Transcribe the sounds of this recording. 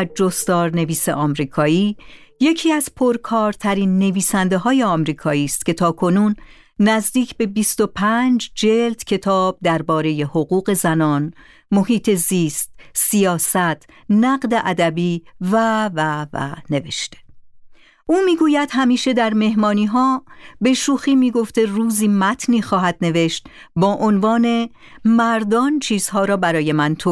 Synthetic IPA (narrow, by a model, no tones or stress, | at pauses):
d͡ʒost̪ɒːɾne̞viːsḛʔɒːmɾiːkʰɒːiːje̞cʰiːæz̥pʰoɾkʰɒːɾt̪ʰæɾiːnːe̞viːsænd̪eɦɒːjeɒːmɾiːkʰɒːiːst̪cʰʲe̞t̪ʰɒːkʰo̞nuːnː | æzd̪iːcʰbe̞bist̪o̞pʰænd͡ʒd͡ʒeld̪cʰe̞t̪ʰɒːb̥̚d̪æɾbɒːɾe̞je̞hoɣuːɣe̞zænɒːn | mo̞hiːt̪ʰe̞ziːst̪sijɒːsæt̪ʰ | næɢd̪e̞ʔæd̪æbiːvævævæ̰ne̞ve̞ʃt̪e̥ | ʔuːmiːɡuːjæd̪̥hæmiːʃe̞d̪æɾme̞ɦmɒːniːɦɒːbe̞ʃuːxiːmiːɡo̞ft̪eruːziːmæt̪ʰniːxɒːɦæd̪̚ne̞ve̞ʃt̪ | bɒːʔonvɒːne̞ | mæɾd̪ɒːnt͡ʃʰiːz̥hɒːɾɒːbæɾɒːje̞mænt̪ʰo